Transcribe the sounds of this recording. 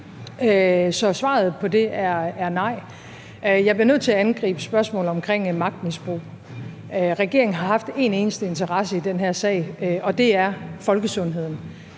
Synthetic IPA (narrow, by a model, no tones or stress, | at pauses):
sɒ̽sʋɑ̰̈ːð̞̩ˠpʰɒ̽d̥e̝æɐæɐnɑ̈ɪ̰ | jɑ̈ɪb̥liɐøð̰ˠt͡sʰe̝æænɡ̥ʁḭːb̥əsb̥ɶɐsmɔ̰̽ːl̩ˠɒ̽mkʰʁeŋ̰mɑ̈ɡ̥̚d̥misb̥ʁṵː | øʁɛɡ̥e̝ɐeŋn̩ɦɑ̈ɦɑ̈fd̥e̝ne̝ːnəsd̥əe̝nt͡sʰɐʁɑ̈səid̥enɦæɐsɛ̰ːɪɒ̽d̥e̝æɐfɒ̽lɡ̥əsɔ̽nɦe̝ð̰ˠn̩